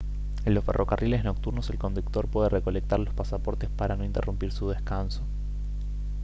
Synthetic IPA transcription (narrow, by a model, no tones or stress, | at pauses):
e̞nlo̞sfe̞rʔo̞karʔile̞zno̞k̚t̪uɾnose̞lko̞nd̪uk̚t̪o̞ɾpwe̞ð̞ereko̞lek̚t̪aɾlo̞spasapo̞ɾt̪espaɾano̞int̪e̞̰rʔumpiɾsuðeskanso̞̥